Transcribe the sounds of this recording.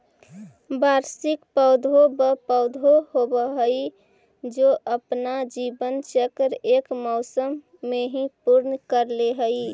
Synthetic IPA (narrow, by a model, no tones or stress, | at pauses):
baɾsɪkpəʊd̪ʱobəpəʊd̪ʱoɦobəɦəi | d͡ʒoʔəpnad͡ʒibənt͡ʃəkɾekmɔʊsəmː | eɦĩpuɾnkəɾleɦəi